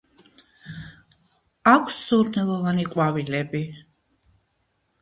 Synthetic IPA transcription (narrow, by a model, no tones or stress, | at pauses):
akʷʰsːuɾnɛlˠɔvaniqʼwavilɛbi